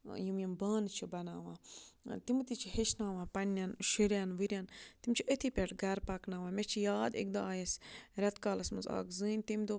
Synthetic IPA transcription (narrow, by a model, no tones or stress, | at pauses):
jimjimbaːnt͡ʃʰibɐnaːʋãːt̪imɨt̪it͡ʃʰihet͡ʃʰnaːʋãːpɐnʲːanʃiɾʲjanʋɨɾʲjaːnt̪imt͡ʃʰiʔət̪ʰipʲeʈɡɐɾpɐknaːʋãːmʲet͡ʃʰijaːd̪ḛk̚d̪oaːjesɾʲɐt̪kaːlɐsmɨza̰ːkzɨːnʲt̪imd̪o